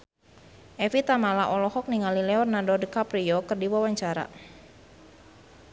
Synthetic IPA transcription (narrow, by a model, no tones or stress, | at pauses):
ʔɛfit̪amalaʔɔlɔhɔk̚niŋalilɛɔrnadɔdkapɾiɔkɨrdiwawaɲt͡ʃaɾa̰